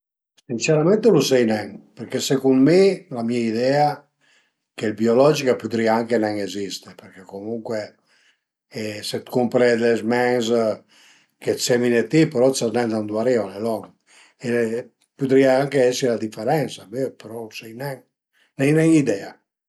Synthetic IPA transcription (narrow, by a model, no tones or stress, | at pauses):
sinseɾamẽnt̪elusɛjnɛŋpeɾkesekunmelamiaid̪ɛa | kelbiolɔd͡ʒikapud̪ɾiaaŋkenɛŋezist̪epeɾkekomuŋkwe | set̪kumpɾed̪ezmɛŋs | kesɛminet̪ːipeɾɔsaznɛnd̪and̪waɾiɔnelɔŋ | e | pud̪ɾiaaŋkeɛsilad̪ifeɾɛnsamepeɾɔlusɛjnɛŋ | nɛjnɛŋid̪ɛa